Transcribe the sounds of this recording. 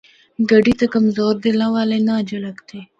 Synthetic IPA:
ɡɐɖit̪akɐmzoːɾd̪elãwaːlenad͡ʒɐləkt̪ʰe

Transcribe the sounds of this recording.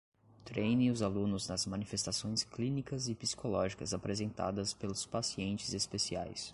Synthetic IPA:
t̪ɾejnɪ̃ʊzalũnʊznɐzmɐ̃nifest̪asõj̃sklĩnikɐzɪpi̥si̥kʰolɔʒikɐ̰zapɾezẽnt̪a̰d̪ɐspelʊspasiẽnt͡ʃɪzespesia̰js

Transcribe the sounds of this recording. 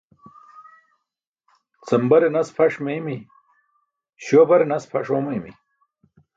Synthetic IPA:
t͡sɐmbɐɾenɐspʰɐʂmemi | ɕoːbɐɾenɐspʰɐʂoːmɐjmḭ

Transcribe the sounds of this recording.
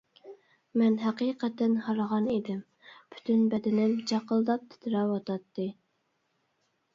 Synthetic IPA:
mɛnɦæqiqʰɛt̪ɛnhɑɾəʁɑnid̪ɪm | bʰy̥t̪ʰynbɛd̪ɪnɪmd͡ʒʰɑqəlˠd̪ɑp̚t̪ʰɪ̥t̪ʰɪɾɑwɑt̪ɑt̪ːɨ

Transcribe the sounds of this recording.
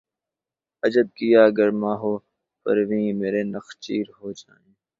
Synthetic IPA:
ɐd͡ʒəd̪̚kijaːɡəɾmaːɦoː | pɐ̰ɾʋĩːmeːɾeːnəxt͡ʃiːɾɦoːd͡ʒaːẽː

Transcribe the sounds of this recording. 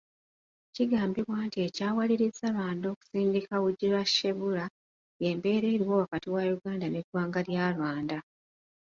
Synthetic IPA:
ciɡaːmbiβwaːntie̞caːwaliɾizalwaːndo̞ːku̥siːndikawuɟilaʃe̞βula | je̞ːmbe̞ːɾe̞ːɾiwo̞ːwakatiwajuɡaːndaneɡwaːŋɡaljaːlwaːnda

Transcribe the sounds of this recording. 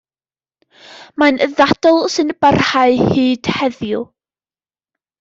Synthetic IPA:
manʔəðad̥ɔlˠsɨnb̥arhaɨhiːd̥hɛðjʊ

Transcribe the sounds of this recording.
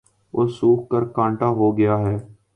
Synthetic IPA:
ʊsuːkkəɾkãːɳʈaːɦoːɡɪjaːɦɛː

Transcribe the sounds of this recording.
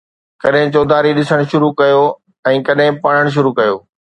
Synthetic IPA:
kɐɗɦɪ̃t͡ɕoːd̪ʱaːɾiɗɪsəɽ̃ʃʊɾukɐjo | ɛ̃ːkɐɗɦɪ̃pɐɽ̤̃əɽ̃ʃ̬ʊɾukɐjoː

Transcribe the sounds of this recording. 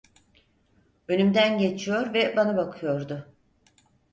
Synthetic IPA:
ønymd̪ænɟe̞t͡ʃʰijo̞ɾvɛbanabakʰɯjo̞ɾd̪ʊ

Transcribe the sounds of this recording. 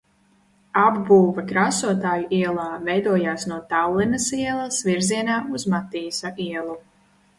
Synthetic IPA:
abbuːvakɾaːsuɔt̪aːjuʔiɛlˠaːvɛjd̪uɔjaːsnuɔt̪awlˠinɐsiɛlˠɐsviɾziɛnaːuzmat̪iːsaʔiɛlˠu

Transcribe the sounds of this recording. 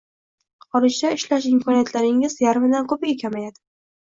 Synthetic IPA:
qɒlˠɪʃt͡ʃaɪʃlaʃɪmkʰɒnijat̪ʰlaɾɪŋɪzjaɾmɪd̪ankʰɵpɪɡʲakʲʰamajad̪ɪ

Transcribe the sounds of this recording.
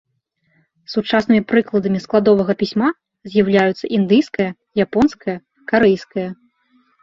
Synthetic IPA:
sut͡ʂasnɨmʲipɾɨklˠɐd̪ɐmʲisklˠad̪ɔvɐɣɐpʲisʲma | zʲjawlʲajut̪sːɐʔind̪ɨjskɐjɐ | japɔnskɐjɐ | kaɾɛjskɐjɐ

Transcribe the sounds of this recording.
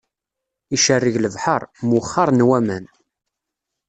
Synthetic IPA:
iʃərːiʝləvħəɾˤmwχːɑɾˤnwæmən

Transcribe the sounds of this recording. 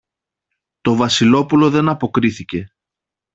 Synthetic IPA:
t̪o̞vɐsilo̞pulo̞ðe̞nɐpo̞kɾiθice̞

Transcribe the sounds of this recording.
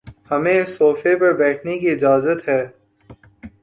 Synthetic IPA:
hɐmẽsoːfepɐɾbɛːʈʰnekiɪd͡ʒaːzət̪ɦɛː

